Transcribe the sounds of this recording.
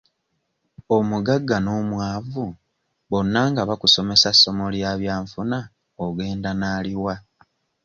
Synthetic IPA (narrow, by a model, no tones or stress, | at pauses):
omuɡaɡːano̞ːmwaːvu | βo̞nːaŋɡaβakuso̞me̞sasːo̞mo̞ljaːβjaːɱfuna | oɡe̞ːndanaːliwa